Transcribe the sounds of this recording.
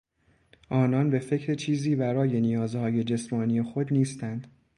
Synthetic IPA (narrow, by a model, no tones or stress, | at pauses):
ʔɒːnɒnbe̞fe̞cʰɾet͡ʃʰiːziːbæɾɒːje̞nijɒːzhɒːje̞d͡ʒe̞smɒːniːje̞xo̞d̪niːst̪ænd̪̥